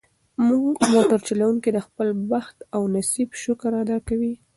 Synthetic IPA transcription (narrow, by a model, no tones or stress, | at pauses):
muɡmoʈaɾt͡ʃalawuŋkid̪əxpəlbaxt̪awnasibʃʊkəɾad̪ɑkawi